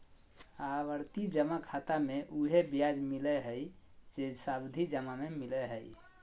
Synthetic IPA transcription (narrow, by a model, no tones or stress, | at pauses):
aʋəɾt̪id͡ʒəmakʰat̪ameʔuɦebjad͡ʒmilɛɦəj | d͡ʒed͡ʒsabd̪ʱid͡ʒəmamemilɛɦəj